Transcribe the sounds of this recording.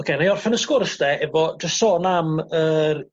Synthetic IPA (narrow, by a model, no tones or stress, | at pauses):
ɔkʰeːnajɔrfɛnəskʊrsd̥ɛʔɛvɔd͡ʒəstsoːnamər